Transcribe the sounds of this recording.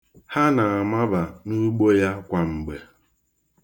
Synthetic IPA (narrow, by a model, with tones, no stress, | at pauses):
ha˦na˨a˨ma˦ba˨nu˦ɡ͡bo˦ja˦kʷa˨ŋ͡m̩˨ɡ͡be˨